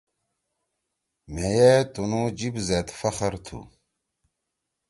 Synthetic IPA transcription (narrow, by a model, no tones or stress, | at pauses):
mejet̪unũd͡ʑibzet̪fɐχəɾt̪ʰṵ